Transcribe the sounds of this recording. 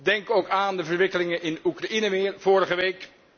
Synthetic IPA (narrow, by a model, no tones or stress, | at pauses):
dɛŋkowkaːndəvəɹʋɪkəlɪŋəʔɪnukrainəʋɪːɹv̥ʊːɾəχəʋejk